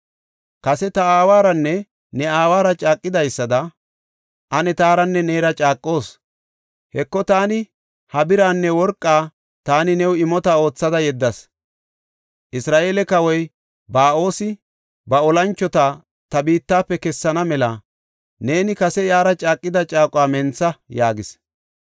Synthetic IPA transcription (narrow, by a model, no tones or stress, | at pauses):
kɐsɛt̪ɐaːwaːɾɐnːɛ | nɛaːwaːɾɐt͡ʃʼaːkʼːɪd̪ɐjsːɐd̪ɐ | ʔɐnɛt̪aːɾɐnːɛneːɾɐt͡ʃʼaːkʼːo̞ːs | hɛkːɔt̪aːnɪ | hɐbɪɾaːnːɛwɔɾkʼːaː | t̪aːnɪnɛwɪmɔt̪ɐo̞ːt͡sːɐd̪ɐjɛd̪ːɐs | ʔɪsɾaːʔe̞ːlɛkɐwɔj | baːo̞ːsɪ | bɐɔlɐnt͡ʃːɔt̪a | t̪ɐbiːt̪ːaːpːɛkɛsːɐnɐmɛlɐ | ne̞ːnɪkɐsɛjaːɾɐt͡ʃʼaːkʼːɪd̪ɐt͡ʃʼaːkʼʊwaːmɛnt͡sːɐjaːɡɪs